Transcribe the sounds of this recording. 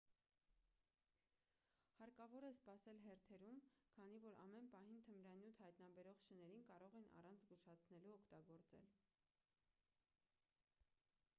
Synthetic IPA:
hɑɾkɑvɔɾɛspɑsɛlɦɛɾt̪ʰɛɾumkʰɑn̪ivɔɾɑ̰mɛnpɑɦint̪ʰənɾɑnjut̪ʰhɑjt̪nɑbɛɾɔʁʃənɛɾinkɑɾɔʁɛnɑ̰rɑnt͡sʰzɡuʃɑt͡sʰnɛluɔkʰt̪ɑɡɔɾt͡sɛ̰l

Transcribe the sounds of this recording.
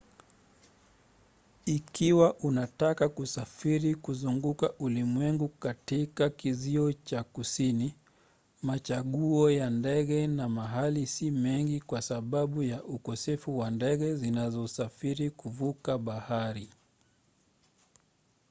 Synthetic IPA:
ikiwaʔunatakakusafiɾikuzuŋɡukaʔulimwɛŋɡukatikakiziɔt͡ʃakusini | mat͡ʃaɠuɔjandɛɠɛnamaɦalisimɛŋɡikwasaɓaɓujaʔukɔsɛfuwandɛɠɛzinazɔsafiɾikuvukaɓahaɾi

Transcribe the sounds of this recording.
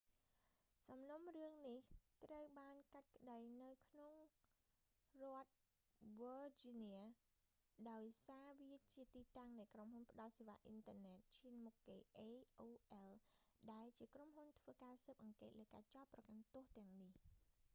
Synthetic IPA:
sɑmnumrɨəŋniht̪rəwɓaːnkat̪̚kə̆ɗəjnɨwkʰnoŋ | rŏət̪̚ | ʋɔd͡ʑiniə | ɗaɔjsaːʋiət͡ɕiət̪iːt̪aŋnɨjkromhunpə̆ɗɑl̚seːʋaːʔint̪əənɛːt̪̚t͡ɕʰiənmukːeːʔeːʔoːʔɛlɗaɛlt͡ɕiəkromɦunt̪ʰʋəːkaːsəːp̚ʔɑŋkeːt̪̚ləːka̰ːt͡ɕɑt̪̚pːrɑkant̪ʊ̆əht̪ɛ̆əŋnih

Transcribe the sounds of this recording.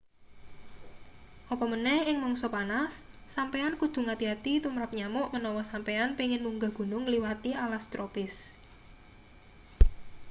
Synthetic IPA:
ʔɔpɔmənɛhɪŋmɔŋsɔpanasː | ampeankud̪̥ṳŋat̪iat̪it̪umɾap̚ɲamʊʔmənɔwɔsampeanpiŋɪnmuŋɡa̤ɡ̥ṳnʊŋliwat̪iʔalast̪ɾopɪs

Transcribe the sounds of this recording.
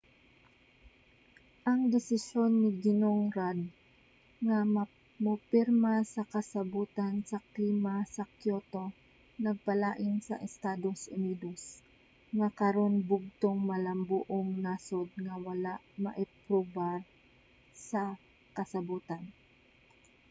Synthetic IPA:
ʔɐŋd̪ɪsɪʃo̞nːɪɡɪnoŋɾad̪̚ | ŋam | mʊpɪɾmasɐkɐsɐbuːt̪ansɐkliːmasɐkjot̪o̞ | nɐɡ̚pɐlaːʔɪnsɐ̰ʔɛst̪aːd̪osʔʊniːd̪os | ŋɐkɐɾo̞nbʊɡ̚t̪oŋmɐlɐmbuʔoŋnasod̪̚ŋɐwɐlaʔmɐ̰ʔɛpɾobaɾ | sɐ | kɐsɐbuːt̪an

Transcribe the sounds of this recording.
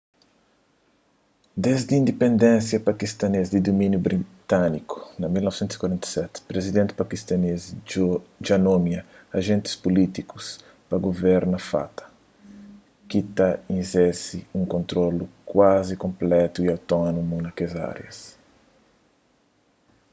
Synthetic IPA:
d̪ezd̪iĩnd̪epẽnd̪ẽnsjɐpɐkist̪ɐnezd̪id̪omĩnjubɾit̪aniku̥nɐmilnɔvsẽnt̪usi̥kwaɾẽnt̪ɐ̥sɛt̪pɾezid̪ẽnt̪ɪ̥pakist̪ɐnez | d͡ʒanomjɐɐʒẽnt̪ɪ̥spulit̪ikus | pɐɡovɛɾnɐfa̰t̪ɐ̥ | kit̪ɐĩnzɛsiũŋkõnt̪ɾolukwazikõmplɛt̪uiawt̪ɔnumunɐkeza̰ɾjɐ̰s

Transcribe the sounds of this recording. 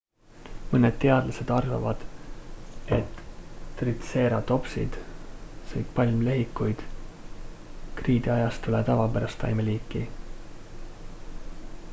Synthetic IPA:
mɤned̪̥t̪e̞ɑd̪̥lɑse̞d̪̥ɑrvɑ̰vɑd̪̥ | e̞t̪ːrit̪se̞ːɾɑt̪o̞psḭd̪̥sɤjt̪pɑlʲmle̞ɦikːˑujd̪̥ | kriːd̪iɑjɑst̪ulɛt̪ɑvɑpæɾɑst̪ɑ̰jmeliːkːˑi

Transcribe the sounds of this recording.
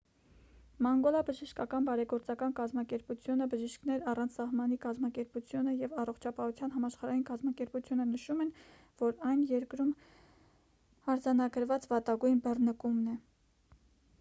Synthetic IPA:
mɑŋɡɔlɑbəʒiʃkɑkɑnbɑɾɛɡɔɾt͡sɑkɑnkɑzmɑkɛɾput͡sʰjunəbəʒiʃkʰnɛɾɑrɑnt͡sʰsɑhmɑnikɑzmɑkɛɾput͡sʰjunəjɛvɑrɔχt͡ʃʰɑpɑhut͡sʰjɑnɦɑmɑʃχɑɾɑjinkɑzmɑkɛɾput͡sʰjunənəʃumɛn | vɔɾɑjnjɛɾkɾum | ɑɾd͡zɑnɑɡəɾvɑt͡svɑt̪ɑɡujnbərnəkumnɛ

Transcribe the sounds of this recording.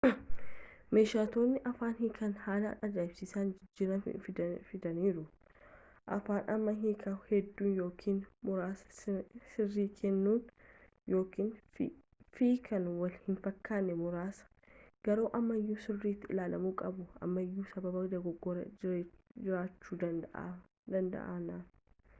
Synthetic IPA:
me̞ːʃaːt̪o̞ːnːɪʔɐfaːnhɪkʰɐnhaːlɐ̰ᶑɐd̪aːɪbsɪsaːnd͡ʒɪd͡ʒːiːɾɐ̰fɪd̪ɐniːɾʊ | ʔɐ̰faːnʔɐmːɐɦiːkʰɐhɛd̪ːuːnjo̞ːkʰiːnmʊɾaːsɐ̥sɪrːiːkʰɛnːuːn | jo̞ːkiːn | fiːkʰɐnwɐlhɪnfɐkːaːnːɛmʊɾaːsɐ̥ | ɡ̥ɐɾoːʔɐmːɐɪjːuːsɪrːiːt̪ːɪɪlaːlɐmuːkʼɐbʊɐ̰mːɐjːuːsɐbɐbɐkd̪ɐɡɔɡːɔɾɐ̰ | d͡ʒɪɾaːt͡ʃːuːd̪ɐʔ | d̪ɐnd̪ɐ̰ʔa̰ːnaːn

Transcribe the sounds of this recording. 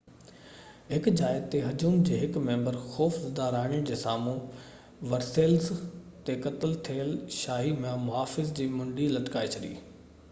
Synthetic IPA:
ɦɪkd͡ʑaːɪdt̪eɦɐd͡ʑuːmd͡ʑeːɦɪkmẽːmbəɾxɔːfzd̪aːɾaːɪɽ̃ɪjʊ̃d͡ʑeːsaːmũ | ʋɐɾseːlzt̪ekɐt̪əlt̪ʰeːlʃaːɦimẽmʊɦaːfɪzd͡ʑiːmʊ̃ɳɖilɐʈkaːet͡ɕʰɐɗ̪ḭː

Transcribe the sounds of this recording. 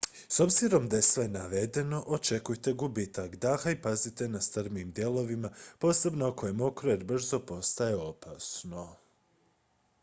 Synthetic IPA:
so̞bziɾo̞md̪aje̞sʋe̞naʋe̞d̪e̞no̞ʔot͡ʃe̞kujt̪e̞ɡubit̪akd̪axaipazit̪e̞nast̪rmiːmd̪je̞lˠo̞ʋimapo̞ːse̞bnookojemo̞kɾoeɾbr̩zo̞po̞st̪aje̞o̞paːsno̞

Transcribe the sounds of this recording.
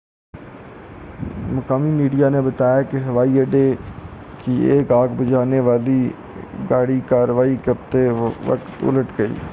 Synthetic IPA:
məkaːmiːmiːɖijaːnẽːbət̪aːjaːkɪɦəʋaːiːəɖeː | kɪeːɡaːɡbəd͡ʒaːneːʋaːliː | ɡaːɽiːkaːɾʋaːiːkəp̚t̪eːʋə̰kt̪ʊ̰ləʈɡəḭː

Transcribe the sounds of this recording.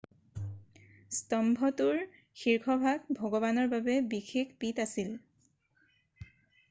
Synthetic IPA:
stɔmbʱɔtuɹ | xiɹkʰɔbʱaɡ̚bʱɔɡɔβanɔɹbabɛbixʰekpitasil

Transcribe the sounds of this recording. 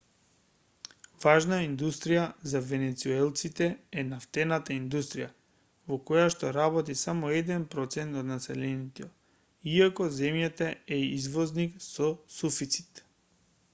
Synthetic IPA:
vaʒnaind̪ust̪ɾijazavɛnɛt̪suɛlˠt̪sit̪ɛɛnaft̪ɛnat̪aind̪ust̪ɾija | vɔkɔjaʃt̪ɔɾabɔt̪isamɔɛd̪ɛnpɾɔt̪sɛnt̪ɔt̪nasɛlɛnit̪ɔ | iakɔzɛmjat̪aɛizvɔzniksɔsufit̪si̥t̪

